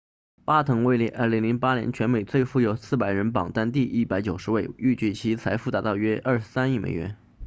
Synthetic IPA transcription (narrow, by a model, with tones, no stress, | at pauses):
pa˥t̪ʰɤ˧˥ŋwe˥˩ɪli˧˥˩ʔə˞˥˩li˧˥ŋli˧˥ŋpa˥njɛ̰˧˥nt͡ɕʰɥɛ˧˥nme˨˩ɪt͡swe˥˧ɪfu˥˩jo˨˩ʊsɹ̩˥˩pa˨˩ɪɻə˧˥npɑ̰˨˩ŋt̪a˥˧nt̪i˥˧ʔi˥˩pa˧˥ɪt͡ɕjo˨˩ʊʂɻ̩˧˥we˥˧ɪy˥˩t͡ɕy˥˩t͡ɕʰi˧˥t͡sʰa˧˥ɪfu˥˩t̪a˧˥t̪ɑ˥˩˧ʊɥɛ˥ʔɐ˥˩ʂɻ̩˧˥sa˥ni˥˩mḛ˨˩ɪɥɛ̰˧˥n